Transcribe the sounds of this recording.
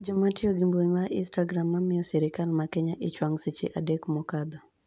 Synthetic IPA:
d͡ʒɔmatɪɔɡimboɲmaʔɪnstaɡɾamːamɪjɔsɛɾɪkalmakɪɲaʔɪt͡ʃwaŋsit͡ʃɪ̰ʔadekmɔkad̪ɔ

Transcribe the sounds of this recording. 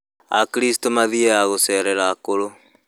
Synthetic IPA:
a̰kiɾistomaðieaɣosɛɾɛɾakoɾo

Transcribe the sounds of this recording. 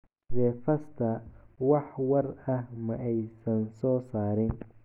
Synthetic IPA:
rɛːfɐst̪ʰɐwɑħwɐrɐhmɐʔɛjsɐnsɔːsaːɾɪn

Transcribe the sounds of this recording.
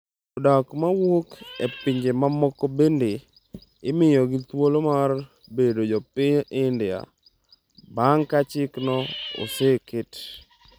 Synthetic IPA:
odakmawokepɪɲd͡ʒemamɔkobende | ɪmɪjɔɡɪt̪wolomar | bedod͡ʒɔpɪɲɪndɪja̰ | baŋkat͡ʃɪknɔo̰sekɪt

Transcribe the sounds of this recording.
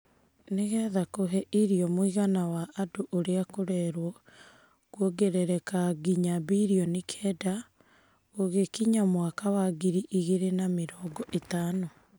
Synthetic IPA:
neɣɛːðakoɦɛʔiɾiɔmwiɣanawaʔːdoʔoɾeakoɾɛɾwɔ | kwɔɡeɾɛɾɛkaɡiɲaβiɾiɔnikʰɛːda | oɣekiɲamwakawaɡiɾiʔiɣeɾenameɾɔːɡɔʔetaːnɔ

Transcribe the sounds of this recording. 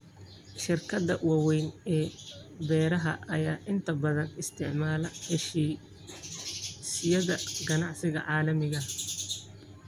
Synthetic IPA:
ʃɪrkʰɐd̪ɐwɑwɛjnɛːbɛːɾɐɦɐʔɐjaːʔɪnt̪ʰɐbɐðɐnɪst̪ʰɪʕmaːlɐhɛʃiː | sɪjɐðɐɡɐnɑʕsɪɣɐ̰ʕɑːlɐmɪɣɐ

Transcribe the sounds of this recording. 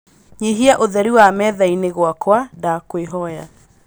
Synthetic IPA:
ɲeɦiaʔoðɛɾiwamɛðaineɣwakwadakweɦɔja

